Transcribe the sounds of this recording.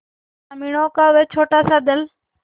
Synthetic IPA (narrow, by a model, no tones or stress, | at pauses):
amiɳoːkaʊʋet͡ʃʰoːʈaːsaːd̪əl